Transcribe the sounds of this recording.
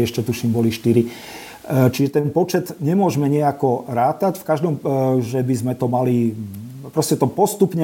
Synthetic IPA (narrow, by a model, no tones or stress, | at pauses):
ɛʃcɛt̪uʃimbɔliʃt̪iɾi | t͡ʃiʒɛt̪ɛnpɔt͡ʃɛd̪ɲɛmʊɔʒmɛɲɛakɔɾaːt̪acfkaʒd̪ɔmʒɛbizmɛt̪ɔmali | pɾɔscɛt̪ɔpɔst̪upɲɛ